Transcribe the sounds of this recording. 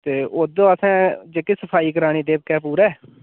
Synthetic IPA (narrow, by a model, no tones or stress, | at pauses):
t̪eːʔoːd̪õːəsɛ̃ːd͡ʒeːkɪsəpʰaːiːk̬əɾaːɽ̃iːd̪eːb̚kɛːpuːɾɛː